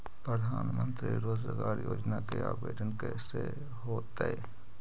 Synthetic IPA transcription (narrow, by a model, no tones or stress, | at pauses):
pɾəd̪ʱaːnmə̃nt̪ɾiɾoːd͡ʒəɡaːɾjoːd͡ʒnakeaːbeːʈənkɛse | ɦoːt̪e